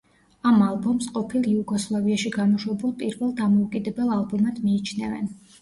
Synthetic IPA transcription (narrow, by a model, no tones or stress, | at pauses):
amalˠbɔmsqʼɔpʰilˠiuɡɔslˠaviaʃiɡamɔʃwɛbulˠpʼiɾvɛlˠd̪amɔukʼid̪ɛbɛlˠalˠbumad̪̥miːt͡ʃʰnɛvɛ̰n